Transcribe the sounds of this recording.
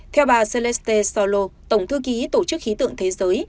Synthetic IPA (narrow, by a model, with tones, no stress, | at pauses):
t̪ʰɛ˧wɓaː˨˩se˧lɛ˦˥st̪e˧sa˧˩lo˧t̪ə˧˩wŋ͡mt̪ʰɨ˧ki˨˦t̪o˧˩t͡ɕɨ˦˥k̚xi˨˦t̪ɨ̰˧˨əŋt̪ʰe˨˦zəː˨˦j